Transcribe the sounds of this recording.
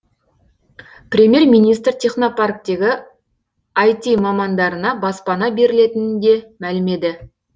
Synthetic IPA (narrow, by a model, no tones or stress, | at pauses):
prʲe̞mʲje̞rmʲijnijst̪rt̪ʲʰe̞χno̞park̚t̪e̞ɡʲɪ | ajt̪imɑmɑnd̪ɑɾənɑbɑspɑnɑbe̞ɾɪle̞t̪ɪnɪnd̪e̞mælɪme̞d̪ɪ